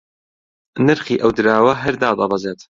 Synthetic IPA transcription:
nɨɾχiːʔɐwd̪ɨɾaːwɐɦɐɾd̪aːd̪ˤɑbɐzeːt̪

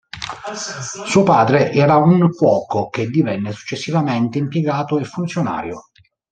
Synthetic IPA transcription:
suːopaːd̪ɾeʔɛːɾauŋkwɔːkok̟ed̪ːivɛnːesu̥t͡ʃːesːivamɛnt̪eimpjeɡaːt̪oefːunt̪sjona̰ːɾjo̰

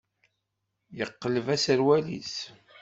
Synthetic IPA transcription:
jəqːələvæsəɾwælḭs

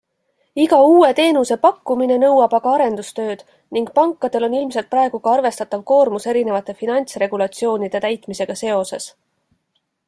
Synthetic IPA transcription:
iɡɑuːe̞t̪e̞ːnuse̞pɑkːumine̞nɤwɑb̥ɑɡ̥ɑɑɾe̞nd̪̥ust̪ø̞ːd̪̥ | niŋɡ̥̚pɑŋkːˑɑd̪̥e̞lo̞nilmse̞lt̪̚pɾɑe̞ɡ̥uɡ̥ɑɑrve̞st̪ɑt̪ːˑɑvko̞ːrmuse̞ɾine̞vɑt̪ːˑe̞finɑnʲt̪sre̞ɡ̥ulɑt̪sio̞ːnid̪̥e̞t̪æjt̪ˑmise̞ɡ̥ɑse̞o̞se̞s

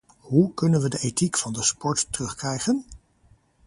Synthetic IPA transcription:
ɦukɵnənʋədəʔetikfɑndəspɔɹtrɵχkrɛjχən

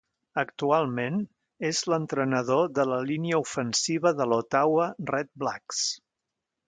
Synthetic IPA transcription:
ək̚t̪ualˠmen | ezlənt̪ɾənəð̞oðələliniəufənsiβ̞əðəlot̪awərɛt̪̚blaks

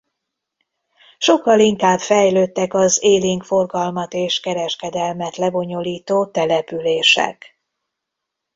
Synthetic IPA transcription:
ʃo̞kːɒliŋkaːbfɛjløːt̪ːɛkɒzeːliŋkfo̞rɡɒlmɒt̪eːʃkɛɾɛʃkɛd̪ɛlmɛt̪lɛbo̞ɲo̞liːt̪oːt̪ɛlɛpyleːʃɛ̰k

